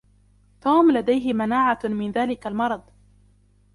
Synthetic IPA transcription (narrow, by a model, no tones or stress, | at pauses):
t̪uːmlad̪ajɦɪmanaːʕamɪnðaːlɪkalmɑɾˤɑd̪ˤ